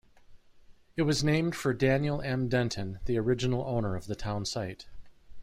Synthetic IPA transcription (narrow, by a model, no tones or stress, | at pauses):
ɨt̚wʌznẽɪ̃md̥fə˞dæ̃njl̩ˠɛ̃mdɛ̃ntʰɨ̃nðiə˞ɪd͡ʒɨnl̩ˠõʊ̃nə˞ʌvðɨtʰãʊ̃nsaɪt